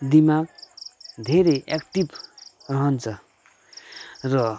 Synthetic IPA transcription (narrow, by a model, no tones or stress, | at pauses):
d̪imak̚ | d̪ʱeɾeʔekʈib | rʌɦʌnt͡sʰʌ | rʌ